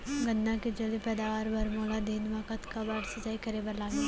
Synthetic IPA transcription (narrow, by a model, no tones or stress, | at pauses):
ɡɐ̃nd̪ãked͡ʒɐlipɛːd̪aːʋaːɾbʱɐɾmoːlad̪eːnʋakət̪kabaːʈsɐt͡ʃaːikɐɾebɐɾlaːɡe